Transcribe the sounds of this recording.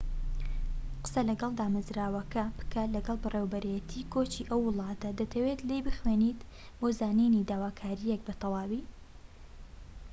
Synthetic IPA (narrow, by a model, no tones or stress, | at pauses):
qɨ̥sɐlɐɡɐlˠd̪aːmɐzɾaːwɐkɐpɨ̥kʰɐlɐɡɐlˠbɨreːwbɨɾajɛt̪ʰiːkʰot͡ʃiːʔɐwːɨlˠɑːt̪ɐd̪ɐt̪ʰɐwet̪lejbɨxweːniːt̪ | boːzaːninid̪aːwaːkʰaːɾijɛk̚bɨt̪ʰɑlɑːwiː